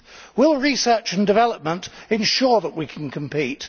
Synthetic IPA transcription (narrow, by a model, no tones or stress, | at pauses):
wɪlˠɹisɜˑ˞t͡ʃɨ̃ndɨvɛlˠəp̚mə̃ntɨ̃nʃɔɹðəʔwikʰn̩kʰə̃mpit